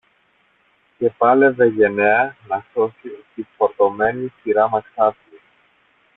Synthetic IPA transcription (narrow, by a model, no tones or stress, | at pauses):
ce̞pɐle̞ve̞ʝe̞neɐnɐso̞sit̪ifoɾt̪o̞me̞nisiɾɐmɐksɐvi